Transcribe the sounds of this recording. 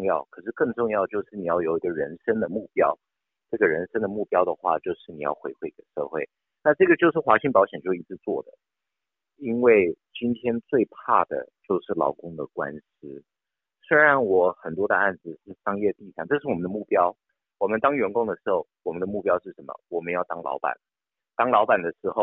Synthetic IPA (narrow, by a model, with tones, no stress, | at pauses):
ŋjɑ˥˩ʊkʰɤ˨˩ʂɻ̩˥˧kɤ˥˧ŋʈ͡ʂʊ˥˧ŋjɑ˥˧ʊt͡ɕjo˥˧ʊʂɻ̩˥˩ni˨˩jɑ˥˩ʊjo˨˩ʊi˧˥ɡə˧ɻə˧˥nʂə˥ŋd̪ə˨mu˥˩pjɑ˥ʊ | ʈ͡ʂɤ˥˩ɡə˩ɻə˧˥nʂə˥ŋd̪ə˨mu˥˩pjɑ˥ʊd̪ə˨xwa̰˥˧t͡ɕjo˥˧ʊʂɻ̩˥˩ni˨˩jɑ̰˥˩ʊxwe˧˥ɪxwe˥˩ɪi˧˥˩ɡə˧˩ʂɤ̰˥˧xwe˥˩ɪ | na˥˧ʈ͡ʂɤ˥˩ɡə˩t͡ɕjo˥˧ʊʂ̬ɻ̩˥˩xwa˧˥ɕi˥˩ŋpɑ˧˥ʊɕjɛ˨˩nt͡ɕjo˥˧˩i˧˥t͡sʰɹ̩˥˧t͡swɔ̰˥˩d̪ə̰˩ | i˥nwe˥˩ɪt͡ɕi˥nt̪ʰjɛ˥nt͡swe˥˧ɪpʰa˥˩d̪ə̰˩t͡ɕjo˥˧ʊʂɻ̩˥˩lɑ̰˧˥ʊkʊ˥ŋd̪ə˨kwa̰˥ns̩˥ | swe˥ɪɻa˧˥nwɔ˨˧˩xə˨˩nt̪wɔ˥d̪ə˧a˥˩nd͡zɹ̩˩ʂɻ̩˥˩ʂɑ˥ŋjɛ˥˧t̪i˥˧˩ʂʰɑ˨˩ŋʈ͡ʂɤ˥˧ʂɻ̩˥˩wɔ˨mə˦nd̪ə˧mu˥˩pjɑ˥ʊ | wɔ˨˩mə˦nt̪ɑ˥ŋɥɛ˧˥nkʊ˥ŋd̪ə˨˩ʂɻ̩˧˥xo˥˩ʊwɔ˨˩mə˦nd̪ə˧mu˥˩pjɑ˥ʊʂɻ̩˥˩ʂə˧˥nmə̰˧wɔ˨˩mə˦njɑ˥˩ʊt̪ɑ˥ŋlɑ̰˧˥ʊpa̰˨˩n | t̪ɑ˥ŋlɑ˧˥ʊpa˨˩nd̪ə˦ʂɻ̩˧˥xo˥˧ʊ